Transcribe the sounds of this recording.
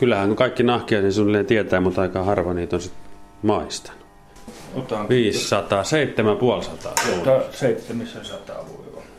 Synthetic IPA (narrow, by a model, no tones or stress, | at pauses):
kylːˑæhæŋkukɑˑikːinɑhkiɑˑisinsunlːˑeːt̪iet̪æːmut̪ɑˑikːɑhɑrʋɑniːt̪onsit̪mɑˑist̪ɑ̥nu̥ | t̪ʋiːssɑt̪ɑseˑit̪ːemæpuolsɑt̪ɑ̰soɑseˑit̪ːemisesɑt̪ɑ̰ʋo̰iʋɑ